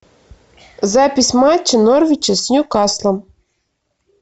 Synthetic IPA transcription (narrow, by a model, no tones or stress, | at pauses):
zapʲisʲmat͡ɕːənorvʲit͡ɕɐsʲnʲukɑslˠɤ̆m